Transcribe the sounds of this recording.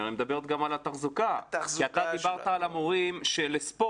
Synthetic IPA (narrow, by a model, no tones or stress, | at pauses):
anmed̪abeʁet̪̚ɡamalat̪aχzukakiat̪ad̪ibaʁt̪aːlamoʁimʃelespo